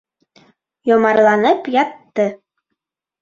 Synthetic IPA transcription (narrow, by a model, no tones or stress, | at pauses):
jɒmɑɾlˠɑnɤpjɑt̪ːɤ